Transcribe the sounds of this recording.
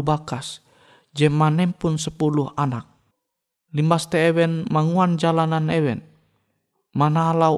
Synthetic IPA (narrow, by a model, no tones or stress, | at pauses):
bakas | d͡ʒɛmanɛmpunsəpuluɦanak̚ | limbast̪ɛːwɛnmaŋuand͡ʒalananɛwɛn | manala